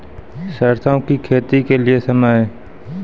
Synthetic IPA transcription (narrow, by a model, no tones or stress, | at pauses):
sɐɾt̪ʰakikʰeːt̪ikeliesɐmae